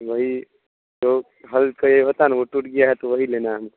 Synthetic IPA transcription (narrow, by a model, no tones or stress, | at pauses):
ʋəɦi | d͡ʒoː | ɦəlkəjeɦoːt̪anaʋoʈuʈɡijaɦɛt̪oʋəɦilenaɦəm